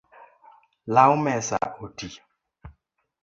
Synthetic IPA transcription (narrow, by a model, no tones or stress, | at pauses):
lawmɛsa̰oti